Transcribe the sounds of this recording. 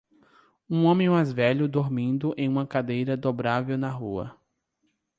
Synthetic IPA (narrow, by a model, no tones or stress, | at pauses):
ũõmẽj̃majzvɛʎʊd̪oɾmĩnd̪ʊʔḛ̃j̃ũmɐkad̪ejɾɐd̪obɾavewnɐɦuɐ̰